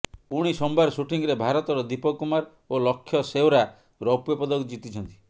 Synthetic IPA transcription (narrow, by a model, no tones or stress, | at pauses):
puɽ̃isɔmbaɾsuʈiŋɾebʱaɾɔt̪ɔɾɔd̪ipɔkumaɾ | olɔkʰːjɔsewɾa | ɾɔpjɔpɔd̪ɔkd͡ʒit̪it͡ʃʰɔnt̪i̥